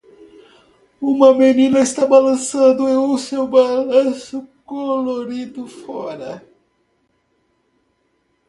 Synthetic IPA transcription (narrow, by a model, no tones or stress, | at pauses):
ũmɐmenĩnɐɪst̪abalɐ̃sɐ̃nd̪ʊeʊsewbalɐ̃sʊkoloɾid̪ʊfɔɾɐ